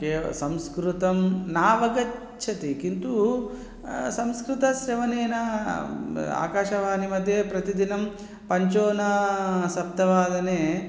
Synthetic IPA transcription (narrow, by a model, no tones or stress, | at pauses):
keːsɐmskɾut̪ɐmnaːʋɐɡɐt͡ʃʰɐt̪ikint̪u | sɐmskɾut̪ɐʃɾeʋɐneːnɐ | a̰ːkaːʃɐʋaːnimɐd̪ʱjepɾɐt̪id̪inɐm | pɐɲt͡ʃoːnɐsɐp̚t̪ɐʋaːd̪ɐneː